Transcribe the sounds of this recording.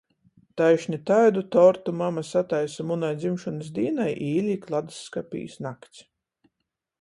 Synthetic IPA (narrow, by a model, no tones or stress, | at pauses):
t̪ajʃnʲit̪ajd̪ut̪ɔɾt̪umamasat̪ajsamunajd̪zimʃɔnɨs̬d̪iːnajʔiːlʲiːklˠad̪sːkapʲḭːsnakt̪s